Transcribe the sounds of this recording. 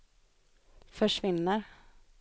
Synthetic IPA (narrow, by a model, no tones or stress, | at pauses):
fœʂvɪnːəɾ